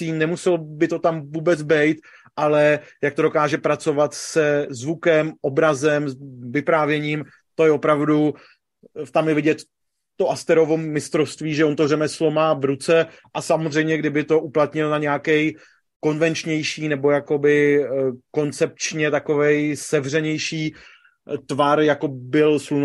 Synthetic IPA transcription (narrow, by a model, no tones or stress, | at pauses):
tiːnnɛmusɛlbɪt̪o̞t̪amvuːbɛt͡sbɛjt̪ | ʔalɛjak̚t̪o̞dokaːʒɛpɾat͡so̞vat̪sɛzvukɛmʔobɾazɛmvɪpɾaːvjɛɲiːm | t̪o̞jɛopɾavdu | t̪amjɛvɪɟɛt̪ | t̪o̞ʔast̪ɛɾo̞vo̞mɪst̪ɾofst̪viːʒɛont̪orɛmɛslo̞maːvɾut͡sɛ | ʔasamozr̝ɛjmɲɛɡdɪbɪt̪o̞ʔuplat̪ɲɪlnaɲɛakɛj | ko̞nvɛnt͡ʃɲɛjʃiːnɛbo̞jako̞bɪ | ko̞nt͡sɛp̚t͡ʃɲɛt̪ako̞vɛjsɛvr̝ɛɲɛjʃiː | t̪vaɾjako̞bɪlslun